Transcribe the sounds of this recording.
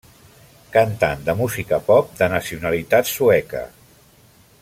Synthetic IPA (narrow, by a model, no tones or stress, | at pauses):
kənt̪a̰nd̪əmuzikəpɔp̚d̪ənəsiunəlit̪at̪suɛkə̰